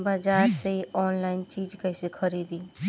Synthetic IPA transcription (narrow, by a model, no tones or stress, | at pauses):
bad͡ʒaːɾseiɔːnlaɪnt͡ʃid͡ʒkəjsekʰəɾid̪i